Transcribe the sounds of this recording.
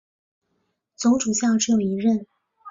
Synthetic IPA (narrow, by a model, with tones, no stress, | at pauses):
t͡so˧˥ŋʈ͡ʂu˨˩ɕjɑ˥˧ʈ͡ʂɻ̩˥jo˨˩ʊi˧˥ɻə˥˩n